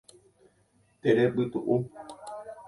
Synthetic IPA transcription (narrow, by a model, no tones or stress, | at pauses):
t̪eɾebɨt̪uʔu